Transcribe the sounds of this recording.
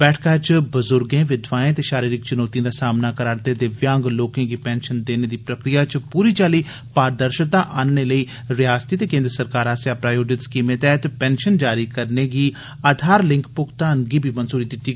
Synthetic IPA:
b̥ɛːʈʰkaːt͡ʃbəzʊɾɡẽːʋɪd̪ʋaːẽːt̪eːʃaːɾiːɾɪk̚t͡ʃʊnɔːt̪ijãːd̪aːsaːmnaːkəɾaːɾt̪eːd̪eːʋjãːŋɡloːkẽːɡiːpɛːnʃənd̪eːneːd̪iːpɾəkɾijaːt͡ʃpuːɾiːt͡ʃaːliː | paːɾd̪əɾʃt̪aːʔaːnneləiː | ɾɪaːst̪iːt̪eːkẽːnd̪ɾəsəɾkaːɾaːsjaːpɾaːjoːɖɪt̪skiːmẽːt̪ɛːt̪pɛ̃ːnʃənd͡ʒaːɾiːkəɾneːɡiː | aːd̪ʱaːɾlɪ̃ŋkpʊkt̪aːnɡiːbʱiːmənsuːɾiːd̪ɪt̪ːiː

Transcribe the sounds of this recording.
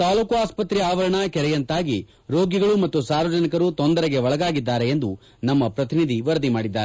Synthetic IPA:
t̪aːlukuaːspɐt̪ɾiaːʋɐɾɐɳɐkɛɾɛjɐnt̪aːɡi | ɾo̞ːɡjɐɡɐɭumɐt̪ːusaːɾʋɐd͡ʒɐnikɐɾut̪ond̪ɐɾɛɡeʋɔɭɐɡaːɡid̪ːaːɾe̞end̪u | nɐmːɐpɾɐt̪inid̪ʱiʋɐɾɐd̪imaːɽid̪ːaːɾe

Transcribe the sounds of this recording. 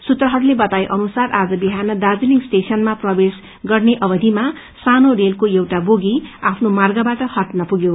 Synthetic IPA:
sut̪rʌɦʌɾulebʌt̪ajʔʌnusarad͡zʌbiɦanʌd̪ad͡ziliŋsʈesʌnmaprʌbes | ɡʌrneʔʌbʌd̪ʱima | sanorelkoewʈaboɡiapʰnomarɡabaʈʌhʌʈnʌpuɡjo

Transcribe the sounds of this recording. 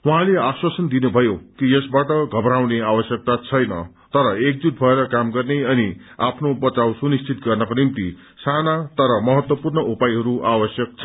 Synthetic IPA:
wuɦãleaswasʌnd̪inubʱʌjokijʌsbaʈʌɡʱʌbɾawneawʌsjʌk̚t̪at͡sʰʌjnʌ̰ | t̪ʌɾʌek̚d͡zut̪̚bʱʌeɾʌkamɡʌrneʌni | a̰pʰnobʌt͡sawsunist͡sʰit̪ɡʌrnʌkonimt̪i | sanat̪ʌɾʌmʌɦʌt̪wʌpurnʌʔupajɦʌɾuʔawʌsjʌk̚t͡sʰʌ

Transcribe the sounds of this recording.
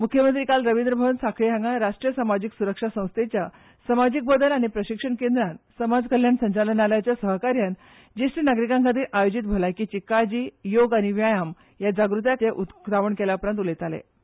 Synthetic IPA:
mukʰjəmənt̪ɾikalɾəʋind̪ɾəbʱəʋənsakʰɭiɦãŋɡaɾaʂʈɾijəsamad͡ʑiksuɾəkʂasə̃w̃st̪ʰet͡ɕja | səmad͡ʑik̚bəd̪əlaɽ̃ipɾəɕikʂəɳkend̪ɾãnsəmad͡zkəljaɳsəɲt͡ɕalənaljat͡ɕjasəɦkaɾjan | d͡ʑisʈinaɡɾikãŋkʰat̪iːɾʔajod͡ʑit̪̚bʱəlajkiːt͡ɕikːad͡ʑiːjoɡaɽ̃iʋjajam | jad͡ʑaɡɾut̪jateʔut̪aʋəɳkeljaupɾant̪ulet̪alḛ

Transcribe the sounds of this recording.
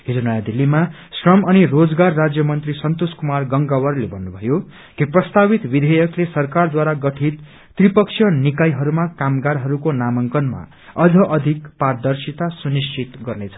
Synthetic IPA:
ɦid͡zonʌjãd̪ilːima | srʌmʌnirod͡zɡarːad͡zjʌmʌnt̪risʌnt̪oskumarɡʌŋɡawʌrlebʱʌnːubʱʌjo | kiprʌst̪abit̪bid̪ʱʌjʌklesʌrkard̪waɾaɡʌʈʰit̪ː | ripʌksʰjʌnikajɦʌɾumakamɡaɾɦʌɾukonamʌŋkʌnma̰ | ʌd͡zʱʌʔʌd̪ʱikpard̪ʌrsit̪asunist͡ʃʰit̪ɡʌrnet͡sʰʌ̥

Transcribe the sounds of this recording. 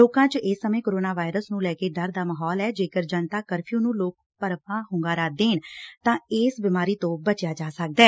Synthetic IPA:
oːkãːt͡ʃɪsːəmẽːkoɾoːnaːʋaːɪɾəsnũːlɛːkeːd̪əɾd̪aːməɦɔːlɛːd͡ʒeːkəɾd͡ʒənt̪aːkəɾpʰijũːnũːloːk̚ | pəɾpãːɦʊ̃ŋɡaːɾaːd̪eːnt̪ãːeːsbɪmaːɾiːt̪õːbət͡ʃjaːd͡ʒaːsək̚d̪ɛː

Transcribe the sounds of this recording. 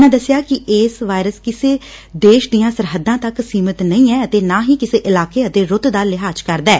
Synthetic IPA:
nãːd̪əsɪjaːkɪʔeːsʋaːɪɾəskɪseːd̪eːʃd̪ijãːsəɾɦəd̪ːãːt̪əksiːmət̪nəĩːɛːət̪eːnaːɦiːkɪseːʔɪlaːkeːət̪eːɾʊt̪d̪aːlɪɦaːd͡ʒkəɾd̪aɛː

